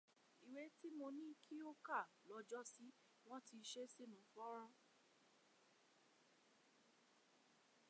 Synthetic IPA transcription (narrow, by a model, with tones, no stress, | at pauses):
i˨we˨˦ti˦mo˧nĩ˦kʰi˦o˦ka˦˨ | lɔ˧d͡ʒɔ˦si˦ | w̃ɔ̃˦ti˧ʃe˦si˦nũ˨˦fɔ˦ɾ̃ɔ̃˧